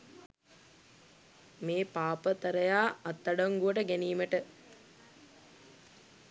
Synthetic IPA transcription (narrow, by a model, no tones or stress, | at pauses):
meːpaːpət̪əɾəjaːɐt̪ːaɖɐŋɡuʋəʈəɡæniːməʈə